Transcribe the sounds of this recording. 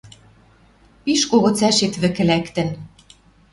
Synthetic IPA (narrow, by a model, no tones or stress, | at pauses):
piʃkoɣɤ̆t͡sæʃet̪βɘ̆kɘ̆lækt̪ɘ̆n